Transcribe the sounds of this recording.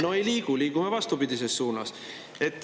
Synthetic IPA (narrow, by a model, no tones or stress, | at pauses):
no̞ejliːɡ̥uliːɡ̥umevɑst̪upid̪is̬e̞st̪suːnɑs | e̞t̪ːˑ